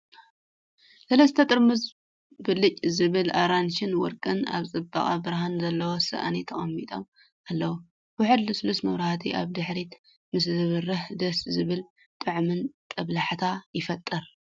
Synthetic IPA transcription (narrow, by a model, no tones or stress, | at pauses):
sɐlɐst̪ʰɐt̪ʼɨɾmɨz | bɨlɨt͡ʃʼzɨβɨlaɾanʃɪnwɔɾkʼɨna̰βt͡sʼɨbɐχʼa̰bɨɾɦanzɐlːɐwosɨ̰ʔa̰nit̪ʰɐχʼɐmːit̪ʼo̰m | ʔalːɐwu | wʊħɨd̪lɨslust̪mɐwɾahat̪ʰiʔa̰βd̪ɨħɾit̪ | mɨs̬zɨβɨrɨhd̪ɐszɨβɨl | t̪ʼɨʕmɨnt̪ʼɐβlaħt̪ʰajɪfɐt̪ʼːɨɾ